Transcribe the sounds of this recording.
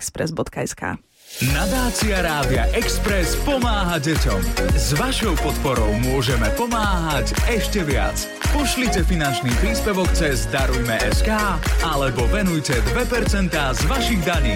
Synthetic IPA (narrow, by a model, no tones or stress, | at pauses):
kspɾɛ̰zbɔt̪kaɛska̰ː | nad̪aːt͡siaɾaːd̪ia̰ʔɛkspɾɛspɔmaːɦaɟɛcɔmzʋaʃɔʊpɔt̪pɔɾɔʊmʊɔʒɛmɛpɔmaːɦacɛʃcɛʋɪa̰t͡s | pɔʃlicɛfinant͡ʃniːpɾiːspɛʋɔkt͡sɛzd̪aɾujmɛʔɛskaːalɛbɔvɛnujcɛd̪ʋɛpɛɾt͡sɛnt̪aːzʋaʃiɣd̪aɲiː